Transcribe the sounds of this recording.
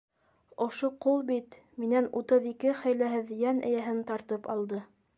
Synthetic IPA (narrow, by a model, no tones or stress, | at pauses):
ŏʃoqulˠbit̪ | minænut̪ɤðikɘχæjlæɦɘðjænʔæ̰̆jæɦɘnt̪ɑɾt̪ɤpɑ̰lˠd̪ɤ